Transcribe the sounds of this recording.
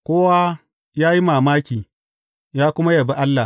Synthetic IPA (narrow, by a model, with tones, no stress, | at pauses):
kʷoː˦wa˦ | jaː˦ji˦maː˨maː˦kʲiː˨ | jaː˦kʷʊ˦ma˦jɐ˨ba˦ʔa˦lːa˨